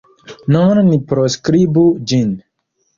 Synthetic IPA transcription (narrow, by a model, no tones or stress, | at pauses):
nɔnnipɾoskɾibud͡ʒin